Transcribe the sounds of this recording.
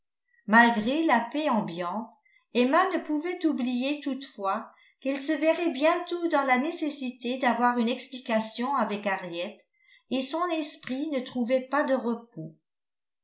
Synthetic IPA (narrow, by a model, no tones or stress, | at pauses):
malɡʁelapeɑ̃bjɑ̃t̪ | ɛmanəpuvɛt̪ublijet̪ut̪fwa | kɛlsəvɛʁɛbjɛ̃t̪od̪ɑ̃lanesesit̪ed̪avwaʁynɛksplikasjɔ̃avɛkaʁjɛt̪ | esɔ̃nɛspχinət̪χuvɛpad̪əʁəp̚o